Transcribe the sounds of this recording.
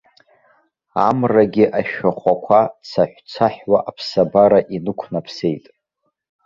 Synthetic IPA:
amraɡʲiʔaʃᶣaχʷakʷʰat͡sʰaħʷt͡sʰaħwaʔapʰsabaɾaʔinɨkʷʰnapʰse̞jtʼ

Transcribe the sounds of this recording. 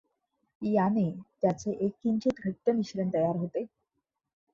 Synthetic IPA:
janet̪jat͡seʔekːint͡ɕit̪ɡʱət̪ːeniɕɾent̪əjaɾɦot̪e

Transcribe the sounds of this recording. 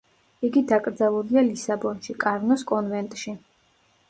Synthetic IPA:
iɡid̪akʼɾd̪zalˠuɾialisabɔnʃikʼaɾnɔskʼɔnvɛnt̪ʼʃi

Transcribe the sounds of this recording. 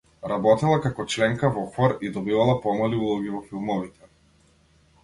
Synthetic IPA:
ɾabɔt̪ɛlˠakakɔt͡ʃlɛŋkavɔxɔɾid̪ɔbivalˠapɔmaliulˠɔɡivɔfilˠmɔvit̪ɛ

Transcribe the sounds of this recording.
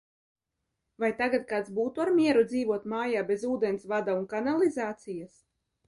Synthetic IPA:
vajt̪aɡat̪̚kaːt̪sbuːt̪uaɾmʲiɛɾud̪ziːvuɔt̪maːjaːbezuːd̪ensvad̪aunkanalˠizaːt̪sijas

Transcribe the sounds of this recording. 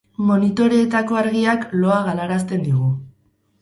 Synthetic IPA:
mo̞nit̪o̞ɾeːt̪ako̞aɾɣiaklo̞aɣalaɾast̪e̞nd̪iɣ̞u

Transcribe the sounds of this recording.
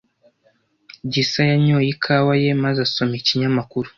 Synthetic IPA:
ɟisajaɲoːjikʰawaje̞mazaso̞miciɲamakuɾu

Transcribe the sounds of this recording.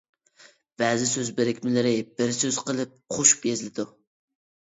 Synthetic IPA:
b̥æːzɪsøzbɪɾɪkʲmɪlɪɾɪb̥ɪɾsøz̥qəlˠɨp̚qʰoʃu̥pjezlɪd̪u

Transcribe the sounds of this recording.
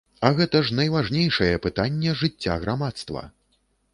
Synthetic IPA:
ɐɣɛt̪ɐʐnɐjvaʐnʲejʂɐjɛpɨt̪anʲːɛʐɨt͡sʲːa̰ɣɾamat̪st̪vɐ̰

